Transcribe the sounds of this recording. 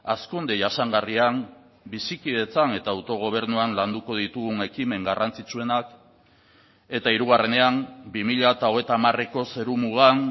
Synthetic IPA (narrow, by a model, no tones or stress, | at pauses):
askund̪eʝasaŋɡariam | bisikiðe̞t͡sane̞t̪aːwt̪o̞ɣ̞o̞β̞e̞ɾnuanland̪uko̞ð̞it̪uɣuŋe̞kime̞ŋɡarʔant͡sit͡sue̞nak | e̞t̪aiɾuɣ̞are̞ne̞ambimiʎat̪aoɣ̞et̪aːmare̞ko̞se̞ɾumuɣan